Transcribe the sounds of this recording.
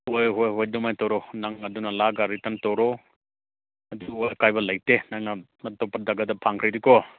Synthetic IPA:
hojɦojɦojdumajtɔɾɔnaŋɐdunɐlaɡaɾitɐntɔɾɔ | ɐduojkajbɐlɐjtenaŋnɐ | mɐtːɔwpadɐɡɐdɐpʰaŋkʰɾɐjdikɔ

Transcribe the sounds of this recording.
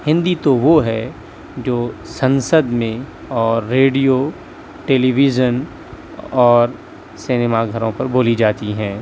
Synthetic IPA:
hɪ̃nd̪it̪oʋoɦɛ | d͡ʒoːsɐ̃nsəd̪mẽ | ɔːɾːeːɖijo | ʈeːliʋid͡ʒən | ɔːɾ | sɪneːmaɡʱɐɾõpɐɾboːlid͡ʒaːt̪iɦɛ̃ː

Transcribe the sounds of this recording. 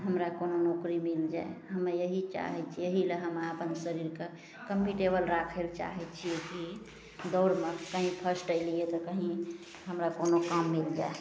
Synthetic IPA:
ɦəmɾakononokɾimild͡ʒaeɦəmejəɦit͡ʃa̰ɦɛt͡ʃʰijəɦileɦəmaəpənsəɾiɾke | kəmːiʈebəlɾakʰelt͡ʃa̰ɦɛt͡ʃʰijeki | d̪ɔɾmekəɦĩpʰəsʈəɪliet̪ɔkəɦĩ | ɦəmɾakonokamːild͡ʒa̰e

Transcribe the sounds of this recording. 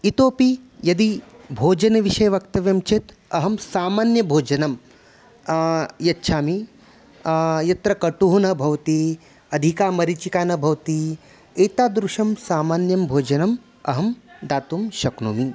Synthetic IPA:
it̪oːpijɐd̪ibʱoːd͡ʒɐnɐʋiʃɐjɐʋɐkt̪ɐʋjɐmt͡ʃʰet̪ | ɐɦɐmsaːmaːnjɐbʱoːd͡ʒɐnɐm | jɐtːʃʰaːmi | jɐt̪ɾɐkɐʈuɦunɐbʱɐʋɐt̪i | ɐd̪ʱikaːmɐɾit͡ʃikaːnɐbʱɐʋt̪i | eːt̪aːd̪ɾuʃɐmsaːmaːnjɐmbʱoːd͡ʒɐnɐm | ɐ̰ɦɐmd̪aːt̪umʃɐknuːmi

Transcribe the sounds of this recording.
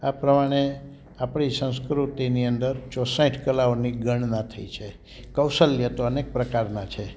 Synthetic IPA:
apɾəmaɽ̃e | apɳisə̃skɾut̪iniənd̪əɾt͡ʃɔsãĩʈʰkəlaoniɡəɳ̃nat̪ʰəit͡ʃʰe | kəwsəljət̪oənek̚pɾəkaɾnat͡ʃʰe

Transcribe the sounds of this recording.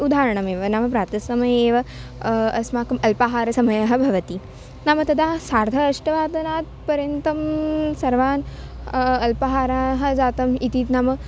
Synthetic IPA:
ud̪ʱaːɾɐɳɐmeːʋɐnaːmɐpɾaːt̪ɐsʋɐmɐjeːʋɐ | ɐsmaːkɐmɐlpaɦaːɾɐsɐmɐjɐɦɐ̆bʱɐʋɐt̪i | naːmɐt̪ɐd̪aːɦsaːɾd̪ʱɐːʃʈɐʋaːd̪ɐnaːt̪̚pɐɾjɐnt̪ɐmsɐɾʋaːn | ɐlpɐɦaːɾaːɦɐ̆d͡zaːt̪ɐmit̪iːt̪naːmɐ

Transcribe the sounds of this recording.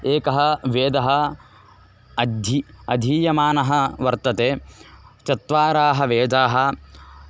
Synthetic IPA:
eːkɐɦɐ̆ʋeːd̪ɐɦɐ̆ | ɐd̪ʱiɐd̪ʱiːjɐmaːnɐɦɐʋɐɾt̪ɐt̪eːt͡ʃɐt̪ʋaːɾaːɦɐʋeːd̪aːɦɐ̆

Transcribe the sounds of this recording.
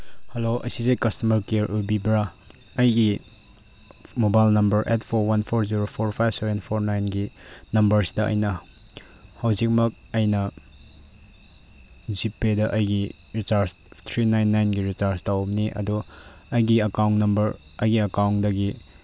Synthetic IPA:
hɐloɐ̰jsizejkɐstɐmɐɾkeɾʔubibɾa | ɐjɡi | mobajlnɐmbɐɾʔetpʰoɾwɐnpʰoɾziɾopʰoɾpʰajbsevenpʰoɾnajnɡi | nɐmbɐɾsi̥dɐʔɐ̰jnɐ | hɐwzik̚mɐk̚ɐjnɐ | zipːedɐʔɐjɡi | ɾit͡ʃaɾst̪ʰɾinajnːajnɡiɾit͡ʃaɾstawmniʔɐ̰du | ɐjɡiɐkawnnɐmbɐɾ | ɐjɡiɐkawndɐɡi

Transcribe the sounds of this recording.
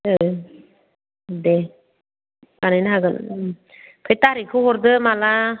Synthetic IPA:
ɯ | de | kanajnɦaɡɯn | pʰɯjt̪aɾikʰɯɦɔɾd̪ɯmala

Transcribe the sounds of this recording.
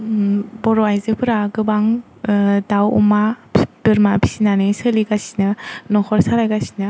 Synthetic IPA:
bɔɾɔajzɯpʰɯɾaɡɯbaŋ | dawṵmab̥ɯɾmabʰi̥sinanɯsɯliɡasi̥nɯnɔkʰɔɾsaɾajɡasi̥nɯ

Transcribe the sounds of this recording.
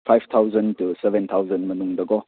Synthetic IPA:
pʰajft̪ʰawzəntusɛbent̪ʰawzɐnmɐnuŋdɐɡɔ

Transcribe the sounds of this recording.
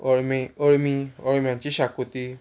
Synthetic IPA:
məɽmiɔɽmjãɲt͡ɕiɕakut̪i

